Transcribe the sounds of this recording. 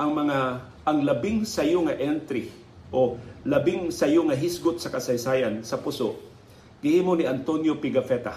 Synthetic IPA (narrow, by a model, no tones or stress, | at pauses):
ʔɐŋmɐŋa | ʔːŋlɐbɪŋsɐjʊŋaʔɛnt̪ɾɪ | ʔolɐbɪŋsɐjʊŋɐɦɪsɡʊt̪̚sɐkɐsɐjsaːjansɐpusoʔ | ɡ̥ɪhiːmoniant̪onjopɪɡafɛt̪a